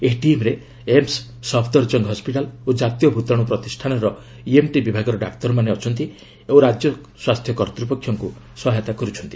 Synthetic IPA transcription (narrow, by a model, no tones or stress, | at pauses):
eʈiemɾe | emsː | ɔpʰd̪ɔɾd͡ʒɔŋɡɦɔspiʈalod͡ʒat̪ijɔbʱut̪ɔɽ̃upɾɔt̪isʈʰanɔɾɔ | iemʈibibʱaɡɔɾɔɖa̰kt̪ɔɾɔmaneɔt͡ʃʰɔnt̪i | ẽɾad͡ʒjɔ | swast̪ʰjɔkɔɾt̪ɾupɔkʰːjɔŋku | swɔɦet̪akɔɾut͡ʃʰɔnt̪i̥